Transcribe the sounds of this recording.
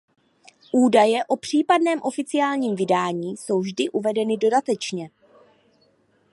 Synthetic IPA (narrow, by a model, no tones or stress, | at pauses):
ʔuːdajɛʔo̞pr̝̥iːpadnɛːmʔo̞fɪt͡sɪjaːlɲiːmvɪdaːɲiːso̞wvʒdɪʔuvɛdɛnɪdo̞dat̪ɛt͡ʃɲɛ